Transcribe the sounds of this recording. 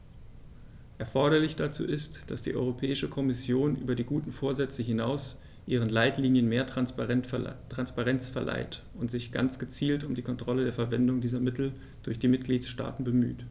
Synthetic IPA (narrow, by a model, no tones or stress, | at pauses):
ʔɛɐfɔɐɾɐlɪçd̥at͡sṵːʔɪstd̥asd̥ḭːʔɔ̰ʏʁopʰɛːɪʃəkʰɔmɪsjoːnʔyːbɐdiːɡuːtn̩foːɐzɛt͡səɦɪnaʊs | ʔiːʁ̞ənlaɪtliːnjənmeːɐtʁ | tʁ̥anspaʁɛnt͡sfɛɐlʔa̰ɪt | ʊntz̥ɪçɡ̥a̰nt͡sɡ̥ət͡siːltʊmdiːkʰɔntʁ̥ɔlədeːɐfɛɐvɛndʊŋdiːzɐmɪtl̩ | d̥ʊɐçd̥iːmɪt̚ɡ̥liːtʃta̰ːtn̩bəmy̰ːt